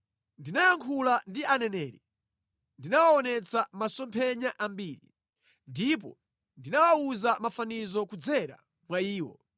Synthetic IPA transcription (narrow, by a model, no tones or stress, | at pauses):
ndinajaŋkʰulandiʔanɛnɛːɾi | ndinawaɔnɛt͡samasɔmpʰɛɲaʔambiːɾḭ | ndipɔ̰ | ndinawauzamafanizɔkud͡zɛɾa̰ | mwaiːwɔ̰